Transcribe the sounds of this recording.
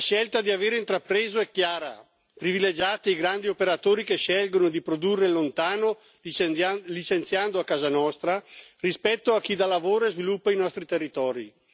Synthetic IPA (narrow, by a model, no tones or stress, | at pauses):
aʃɛlt̪ad̪iaveːɾeint̪ɾapɾeːzoɛkːjaːɾa̰ | pɾiviled͡ʒaːt̪iiɡɾand̪iopeɾat̪oːɾikeʃːɛlɡonod̪ipɾod̪urːelont̪aːno | lit͡ʃent̪sjand̪oakːaːzanɔst̪ɾarispɛt̪ːoak̟ːid̪alavoːɾezvilupːainɔst̪ɾit̪erːit̪ɔːɾḭ